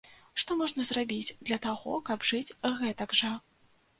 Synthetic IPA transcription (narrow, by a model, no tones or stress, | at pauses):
ʂt̪ɔmɔʐnɐzrabʲid͡zʲd̪lʲɐt̪aɣɔ̰kɐbʐɨt͡sʲɣɛt̪ɐɡʐɐ